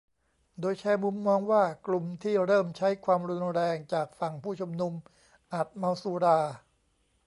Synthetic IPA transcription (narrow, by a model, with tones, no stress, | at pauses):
doː˧jt͡ɕʰɛː˧mu˧mːɔː˧ŋwaː˥˩klu˨˩mt̪ʰiː˥˩ɾɤː˥˩mt͡ɕʰa˦˥jkʰwaː˧mɾu˧nɾɛː˧ŋt͡ɕaː˨˩k̚fa˨˩ŋpʰuː˥˩t͡ɕʰu˧mnu˧m | ʔa˨˩t̪̚ma˧wsuː˧ɾaː˧